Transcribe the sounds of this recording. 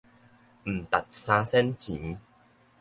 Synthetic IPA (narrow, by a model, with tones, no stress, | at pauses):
m̩˨˩t̪a˨˩t̪̚sãː˧sɛ˦˥nt͡ɕĩ˨˦